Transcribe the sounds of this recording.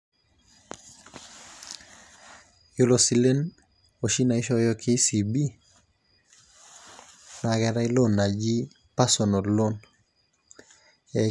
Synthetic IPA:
jo˨lo˨si˨le˦n | o˨ʃi˦na˨i˦ʃɔ˦jɔ˦kʰɪ˦si˨bi˦ | na˨ɡɛ˨ɾa˦i˦lo˦˨nːa˨d͡ʒi˦ | pa˦sɔ˨no˨lo˦n | ɛ˨

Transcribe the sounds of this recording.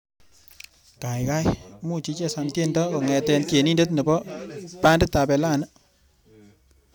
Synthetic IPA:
ka˨jka˦jmu˦t͡ʃi˦t͡ʃe˦sa˨nte˦ndɔ˦ko˨ŋɛ˨tɛ˧nke˨ni˦nde˦tnə˨bɔ˦pa˦nde˦tːa˨pe˨la˦˨nə˦

